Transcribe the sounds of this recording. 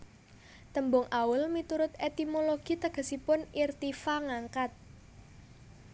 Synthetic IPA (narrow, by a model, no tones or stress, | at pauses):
t̪əmbʊŋʔaʊlmit̪uɾʊt̪̚et̪imoloɡ̥it̪əɡ̥ə̤sipʊnirt̪ifaŋaŋkat̪̚